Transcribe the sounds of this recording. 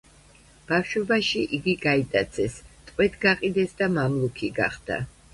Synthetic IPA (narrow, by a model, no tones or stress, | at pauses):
b̥afʃwɔbaʃiʔiɡiɡait̪ʼat̪sʰɛst̪ʼqʼwɛt̪ʰɡaqʼid̪ɛsd̪amamlˠukʰiɡa̰χd̪̥a̰